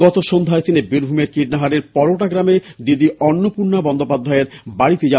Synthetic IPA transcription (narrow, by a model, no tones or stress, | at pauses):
ɔt̪oʃond̪ʱaet̪ʰinebiɾbʱumeɾkiɖnaɦaɾeɾpɔɾoʈaɡɾamed̪id̪iɔnːopuɾnabɔnd̪opad̪ʱːaeɾbaɽit̪ed͡ʑa